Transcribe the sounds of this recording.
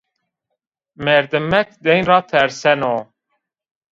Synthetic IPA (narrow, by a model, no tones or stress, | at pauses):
mɛɾd̪ɨmːɛk̪̚d̪ɛjnrɑːt̪ʰɛɾsɛnoː